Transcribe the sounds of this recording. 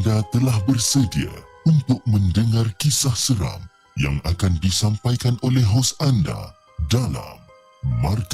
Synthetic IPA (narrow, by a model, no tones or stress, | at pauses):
dat̪əlahbərsədia̰ | unt̪ʊk̚mə̃ndəŋarkisahsəɾa̰m | ja̰ŋakandisampajkanʔolɛɦosanda̰ | dala̰mː | ark